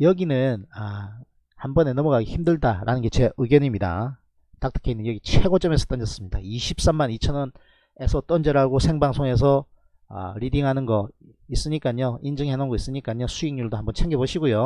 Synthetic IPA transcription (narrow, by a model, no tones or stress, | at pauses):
jʌɡinɯna | hambʌne̞nʌmuɡaɡeçimdɯɭdaɾa̰nɯnɡet͡ɕʰeʔɯɡjʌɲimɲida̰ | takt͈ʰɯ̥kʰe̞inːɯnjʌɡit͡ɕʰwe̞ɡot͡ɕ͈ʌme̞sʰʌ̥t͈ʌnd͡ʑʌs͈ɯmɲidaiɕʰip̚s͈amːanit͡ɕʰʌnʌn | e̞sʰʌt͈ʌnd͡ʑʌɾɦaɡosʰe̞ŋbaŋsʰoŋe̞s̬ʰʌ̰ | ɾidiŋɦanɯnɡʌ | is͈ɯɲik͈aɲoind͡ʑɯŋhenonɡois͈ɯɲik͈aɲosʰuiŋɲuɭdohambʌnt͡ɕʰeŋɡeboɕʰiɡojo